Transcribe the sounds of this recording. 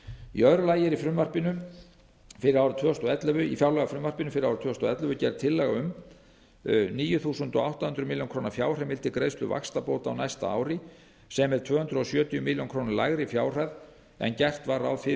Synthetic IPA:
ḭœɾʏlaːjɪɾifɾʏmvar̥pɪnʏ | fɪɾɪɾawɾʏt̪ʰvœːɔst̪ɔɛt̪lɛvʏifjawlɛɣafɾʏmvar̥pɪnʏfɪɾɪɾaːwɾʏt̪ʰœːɔst̪ɔɛt̪lœvʏcɛɾt̪ʰɪlːɛɣaʏm | niːjʏθuːsʏnt̪ɔawht̪ahʏnt̪ɾʏmɪljonŋkʰɾoːwnafjaːwr̥ɛmvɪlt̪ɪkɾejst̪ʏ̰va̰kst̪apowt̪a̰wnajst̪a̰a̰ːwɾɪ | sɛmɛðt̪ʰvœːhʏnt̪ɾʏɔsjœːt̪ijʏmɪljonkʰɾoːwnɪlaːɣɾɪifjaːwr̥að | ɛ̰ncɛr̥t̪vaɾa̰wfɪ

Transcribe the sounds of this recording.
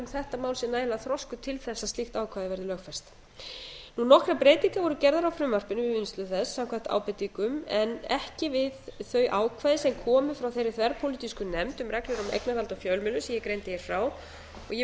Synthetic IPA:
mθɛht̪amaːwlsjɛnalaθɾɔskʏt̪ʰɪlθɛsːast̪ixt̪aːwkʰvaːðɪvɛɾðʏlœːxfɛst̪ | nunɔhkɾapɾejt̪iŋkavɔɾʏcɛɾðaɾawfɾʏmvar̥pɪnʏvɪvinst̪lʏθɛsːawkʰvaht̪a̰ːwpɪt̪iŋkʏmɛnɛhcɪvɪðθœɥʔaːwkʰvajðɪsɛmkʰɔːmʏfɾawθejɾɪθvɛɾpʰowlit̪iskʏnɛmt̪ʏmrɛklɪɾʏmḛjknaɾalt̪afjœlmɪlʏsɛmjɛkɾejnt̪ɪjɛɾ̥fɾaw | ɔɣjɛ

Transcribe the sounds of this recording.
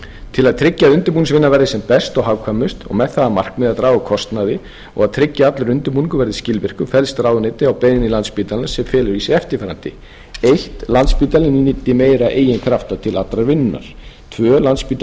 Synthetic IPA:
t̪ʰɪlaðt̪ʰɾɪcːaðʏnt̪ʏɾpunsvɪnːavɛɾðɪsɛmpɛst̪ɔɣɦaːwkʰamʏst̪ɔ̰ɣmɛðθaðamar̥knɪðaðt̪ɾaːwakʰɔst̪naðɪ | ɔ̰ɣaðt̪ʰɾɪcːaat̪laɾʏnt̪ʏɾpunkʏvɛɾðɪscɪlvɪr̥kʏfɛlst̪ɾaːwðʏnɪːt̪ɪawpejðɪnilant̪spit̪alɪnsɛmfɛːlʏɾisɪɛft̪ɪɾfɛːɾant̪ɪ̰ | ejht̪lant̪spiːt̪alɪninit̪ːɪmeːjɾaʔeːjɪnkʰɾaft̪at̪ʰɪlat̪lɾaɾvɪnːa̰ɾ̥ | t̪ʰvœːlant̪spiːt̪

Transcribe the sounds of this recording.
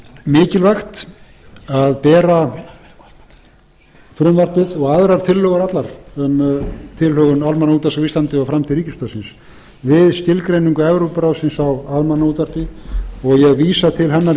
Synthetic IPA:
mɪːcɪlvajxt̪ | aðpɛːɾa | fɾʏmvar̥pɪðɔɣaðɾaɾt̪ʰɪlhœːɣʏɾat̪laɾ̥ʏmt̪ʰɪlhœɣʏnalmanauːt̪as̬awiːst̪ant̪ɪafɾamt̪ʰɪɾiːcɪst̪œːsɪns | vɪðscɪlkɾejniŋkaɛvɾopɾawsɪnsawaðlmanːauːt̪var̥pɪɔɣjɛɣviːsat̪ʰɪlɦɛnːaɾ

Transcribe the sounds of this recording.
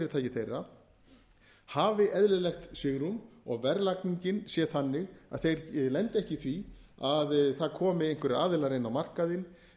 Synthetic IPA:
ɾɪt̪ʰaːjcɪθejrːa | haːvɪʔɛðlʏlɛxt̪sʏɣɾumɔ̰ɣvɛɾlakniɲcɪnsjɛθanːɪɣaðθejɾlɛnt̪ɪɛhcɪθviaðθaðkʰɔːmɪejŋ̥kvɛɾɪaːðɪlaɾejnːawmar̥kaðɪn

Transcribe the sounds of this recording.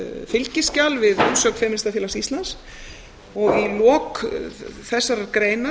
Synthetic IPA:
fɪlcɪscawlvɪðʏnsœkn̥fɛmɪnst̪afjɪɛlasist̪lans | ɔɣilɔːk | θɛsːaɾakɾeːjna

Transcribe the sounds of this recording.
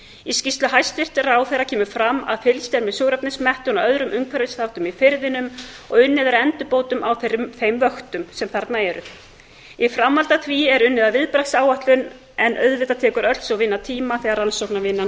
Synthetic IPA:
iscist̪lʏɦajst̪vɪr̥t̪ɪɾawθejracʰɛːmʏfɾamːa̰ðfɪlst̪ɛɾmɛðsoːwɾap̚nɪsmɛht̪ʏnaœðɾʏmʔʏŋkʰvɛɾvɪsθawht̪ʏmifɪɾðɪnʏmɔɣʏnːɪvɛɾɛnt̪ʏpoːwt̪ʏmawθʏθejmvœxt̪ʏmsɛmθaɾt̪naɛɾʏ̰ | ifɾamːalt̪at̪ʰviɛɾʏnːɪðavɪðpɾasaːwaht̪lʏn | ɛnʔœðvɪt̪at̪ʰɛːkʏɾœlsaɣvɪnːat̪ʰiːmaθɛɣaɾansowknavɪnːa

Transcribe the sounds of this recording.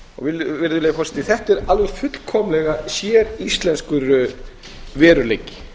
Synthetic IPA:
ɔ̰ɣvɪlvɪɾðʏleːjafɔrsɛ̥t̪iθɛht̪ɛɾalvʏfʏt̪lkʰɔːmlɛɣasjɛːɾist̪lɛnskʏɾʏ | vɛːɾʏlejcːɪ̥

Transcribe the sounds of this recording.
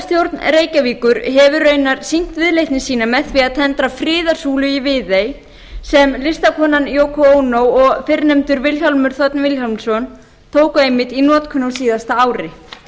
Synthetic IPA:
st̪jowɾt̪nɾeːjcaviːkʏɾɦɛvʏɾœːɥnaɾ̥sin̥t̪vɪðlejht̪nɪsiːnamɛðθviaðt̪ʰɛnt̪ɾafɾɪːðaɾ̥suːlʏivɪːðej | sɛmlɪst̪akʰɔnanjoːwkʰooːwnowɔɣfɪɾnɛmt̪ʏɾvɪlçalmʏɾ̥θɔt̪nvɪlhɔlmsɔn | t̪ʰoːwkʏejmɪt̪inɔːt̪kʰʏnowsiːðast̪aaːwɾɪ

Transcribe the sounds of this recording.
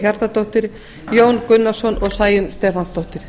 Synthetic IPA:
çaɾt̪at̪ʰowht̪ɪɾ̥ | joːwnkʏnːasɔnʔɔɣsaːjɪnst̪ɛːfanst̪ʰɔwht̪ɪɾ̥

